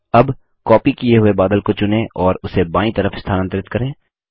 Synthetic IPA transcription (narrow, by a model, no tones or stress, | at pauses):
ɐb | kɔːpikijeɦʊebaːd̪əlkot͡ʃʊnẽʔɔːɾʊsebãːĩt̪ɐɾəfɪst̪ʰaːnə̃nt̪ɾɪt̪kɐɾẽː